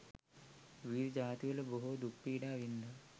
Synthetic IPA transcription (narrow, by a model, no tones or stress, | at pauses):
ʋiːɾd͡ʑaːt̪iʋɐlɐboɦud̪upːiːɖaːʋind̪ɐ